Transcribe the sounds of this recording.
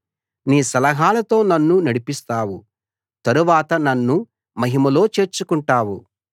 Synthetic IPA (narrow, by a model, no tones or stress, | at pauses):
niːsɐlɐɦaːlɐt̪o̞ːnɐnːunɐɽipist̪aːwu | t̪ɐɾuʋaːt̪ɐnɐnːu | mɐɦimɐlo̞ːt͡ʃe̞ːɾt͡ʃukuɳʈaːwu